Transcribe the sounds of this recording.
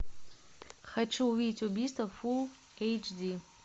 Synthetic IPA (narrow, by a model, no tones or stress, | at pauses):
χɐʈ͡ʂʰɨuwitʰubistʰɐful | ejt͡ʃʰdi